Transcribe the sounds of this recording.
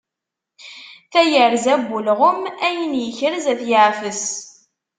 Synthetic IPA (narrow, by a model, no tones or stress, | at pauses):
θæjəɾzæbʷːulʁəmæjənjəçəɾzæθjəʕfəs